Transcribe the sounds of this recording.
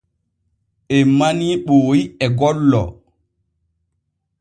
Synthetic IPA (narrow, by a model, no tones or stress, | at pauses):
ʔɛmaniɓoːjiɛɡɔlːɔ̰